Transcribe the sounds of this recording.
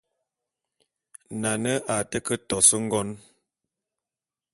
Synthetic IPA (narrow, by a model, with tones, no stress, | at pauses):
na˨nə˦ʔa˨tə˦kə˦tɔ˨sə˦ŋ̩˦ɡɔ˦n